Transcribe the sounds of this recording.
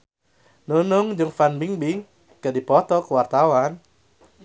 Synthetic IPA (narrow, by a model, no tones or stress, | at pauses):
nunʊŋd͡ʒɨŋfanbiŋbi | kadipɔt̪ɔkəwart̪awan